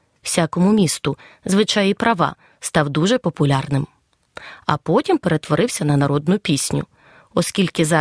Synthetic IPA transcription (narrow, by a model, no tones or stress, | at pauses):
w̥sʲakɔmʊmʲist̪ʊzʋɪt͡ʃɑjipɾɐʋɑ̰ | st̪ɑwd̪uʒɛpɔpʊlʲɑrnɪm | ɐ̰pɔtʲimpeɾe̞t̪ʋɔɾɪwsʲɐnɐnɐɾɔd̪nʊpʲisʲnʲʊ̰ | ɔskʲilʲkɪzɑ